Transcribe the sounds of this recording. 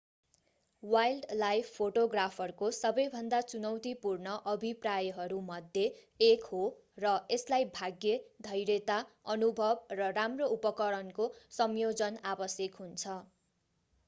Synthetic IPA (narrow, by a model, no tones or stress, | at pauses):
wajlɖlajpʰpʰːoʈoɡrapʰʌrkosʌbʌjbʱʌnd̪at͡sunʌwt̪ipurnʌʔʌbʱiprajʌɦʌɾumʌd̪ʱje | ekho | rʌeslajbʱaɡjed̪ʱʌjɾet̪aʌnubʱʌb̚rʌramroupʌkʌɾʌnkosʌmjod͡zʌnabʌsjekɦunt͡sʰʌ